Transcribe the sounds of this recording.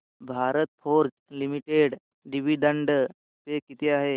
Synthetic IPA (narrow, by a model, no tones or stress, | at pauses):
bʱaɾət̪̚fʰoɾd͡ʒ | limiʈeɽ | ɖiʋiɖəɳɖ | pekit̪eaɦe